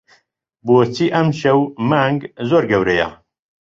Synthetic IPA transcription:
boːt͡sʰiːʔɐmʃɛwmaŋɡzoːɾɡɛwɾɛja̰

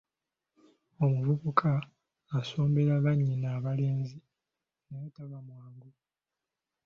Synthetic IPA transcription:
o̞muvuβukʰaː | so̞ːmbe̞ɾaβaɲːinaːβale̞ːnzi | nowetaβamwaːŋɡo

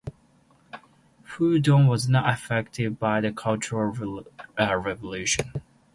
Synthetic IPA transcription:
hudɔ̃nwʌznətəfɛk̚tʰɪd̚baɪðɨkʰʌlˠt͡ʃəɹəlˠ | ɹɛvəlʉʃɨ̃n

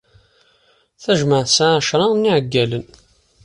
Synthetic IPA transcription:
θæʒməʕsaʕʃɾˤɑnːɪʕəɡːælən

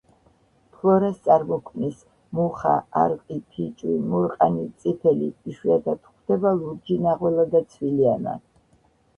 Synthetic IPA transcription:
pʰlˠɔɾast̪sʼaɾmɔkʰmnis | muχa̰aɾqʼipʰit͡ʃʼwimuɾqʼanit̪sʼipʰɛlḭːʃwiad̪at̪ʰχʰd̪ɛbaluɾd͡ʒinaʁwɛlad̪at̪sʰwiliana̰

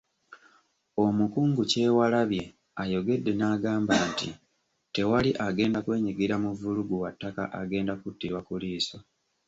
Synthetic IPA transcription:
o̞mukuːŋɡuce̞ːwalaβje̞ | ajo̞ɡe̞dːe̞naːɡaːmbaːntḭ | te̞waliʔaɡe̞ːndakwe̞ːɲiɡiɾamuvuluɡuwatːaka̰ʔaɡe̞ːndakutːiɾwakuliːso

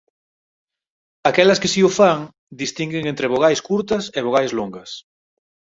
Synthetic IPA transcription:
akɛlɐskɪsiʊfaŋ | d̪ist̪iŋɡeŋent̪ɾeβoɣajskuɾt̪ɐseβ̞oɣajzloŋɡɐs

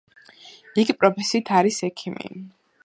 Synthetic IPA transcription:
iɡipʼɾɔpʰɛsiːt̪ʰaɾisɛkʰimḭ

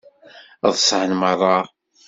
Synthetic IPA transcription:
ðˤsʕənməɾˤɑ

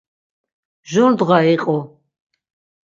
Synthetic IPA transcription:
ʒɔnd̪ʁaiqʼɔ

